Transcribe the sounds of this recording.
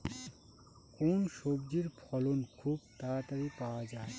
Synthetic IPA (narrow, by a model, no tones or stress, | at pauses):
konʃobd͡ʒiɾpʰɔlonkʰubt̪aɾat̪aɾipawad͡ʒaːe